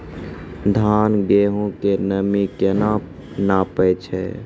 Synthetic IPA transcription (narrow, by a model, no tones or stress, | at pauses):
d̪ʱanɡeɦõkenəmikena | napəjt͡ʃʰɛ̰